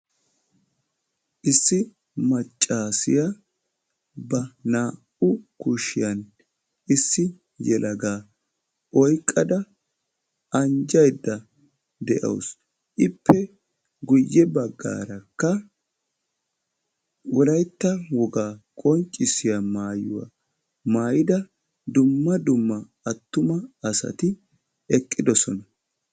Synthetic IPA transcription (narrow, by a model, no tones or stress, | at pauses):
ʔɪsːɪ | mɐt͡ʃʼːaːsɪja | bɐnaː | ʊkʊʃɪjɐn | ʔɪsːɪ | jɛlʔɐɡaː | ʔɔjkʼːɐd̪ɐ | ʔɐnd͡ʒɐjd̪ːɐ | d̪ɛʔɐ̰ws | ʔɪpːɛ | ɡʊjːɛbɐɡːa̰ːɾɐkːɐ | wɔlɐjt̪ːɐwɔɡaːkʼɔnt͡ʃʼːɪsɪjamaːjʊ̰wa̰ | maːjɪd̪ɐ | d̪ʊmːɐd̪ʊmːɐ | ɐt̪ːʊmɐɐsɐ̰t̪ɪ | ɛkʼːɪd̪ɔsɔnɐ